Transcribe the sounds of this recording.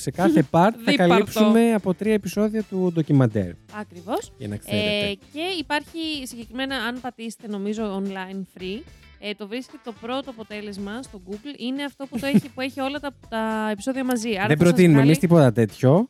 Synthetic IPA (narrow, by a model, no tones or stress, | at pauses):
se̞kɐθe̞pɐɾt̪ðθɐkɐlɐipsumme̞ɐpo̞t̪ɾiɐepiso̞ðiɐt̪ud̪ocimɐnd̪ḛɾɐkɾivo̞scɐ̰nɐ̰keece̞ipɐɾçisiɲɟe̞kɾime̞nɐɐnpɐt̪ise̥t̪eno̞mizo̞onlɐjnfɾi | t̪o̞vɾiske̥et̪t̪o̞pɾo̞t̪oɐpo̞t̪e̞le̞zmɐst̪o̞ɡuɡline̞ɐft̪o̞put̪oeipue̞çio̞lɐt̪ɐt̪ɐepi̥so̞ðiɐmɐziɐðɾɐðebɾost̪inumemist̪ipo̞t̪ɐt̪e̞t̪ço̞